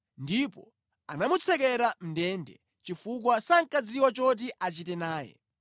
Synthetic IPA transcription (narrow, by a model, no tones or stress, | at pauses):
ndipɔ̰ | anamut͡sʰɛk̬ɛɾam̩ndɛndɛ̰ | t͡ʃifuk̬wasaŋkad͡ziwɔt͡ʃɔt̬iʔat͡ʃitɛnaːjɛ̰